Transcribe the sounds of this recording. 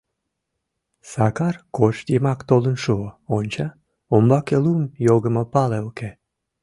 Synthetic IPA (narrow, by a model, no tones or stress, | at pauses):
sɑkɑrkoʃd̪ʲemɑkt̪olənʃooonʲt͡ɕɑ | ombɑkelumjoɣə̆mopɑlelke